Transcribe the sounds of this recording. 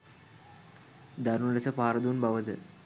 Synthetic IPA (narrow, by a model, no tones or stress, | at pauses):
d̪ɐɾulɐsɐpaːɾɐd̪uːnbɐʋɐðɯ̰